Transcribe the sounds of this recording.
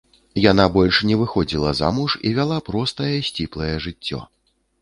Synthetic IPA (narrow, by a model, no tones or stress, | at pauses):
janabɔlʲʂnʲɛvɨxɔd͡zʲilˠɐza̰muʂḭvʲalˠapɾɔst̪ɐjɛsʲt͡sʲiplˠɐjɛʐɨt͡sʲːɔ̰